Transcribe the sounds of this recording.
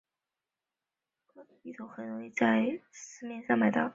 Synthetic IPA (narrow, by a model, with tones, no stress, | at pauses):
ɤ˥˩˧i˥˩t̪ʰo˧˥ʊxə˨˩nɻo˧˥ŋi˥˧t͡sa˥˧ɪsɹ̩˥mjɛ˥˧nʂɑ˥˩ŋma˧˥ɪt̪ɑ˥˩ʊ